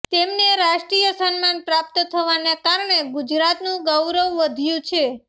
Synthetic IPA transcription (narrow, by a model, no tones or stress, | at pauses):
t̪emneɾaʃʈɾijəsənmanpɾap̚t̪t̪ʰəʋanekaɾɳeɡud͡ʒɾat̪nũɡəwɾəʋːəd̪ʱjũt͡ʃʰe